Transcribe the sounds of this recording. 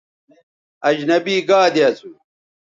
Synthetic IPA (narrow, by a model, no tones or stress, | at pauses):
ɐd͡ʑnɐbiːɡaːd̪jɐsu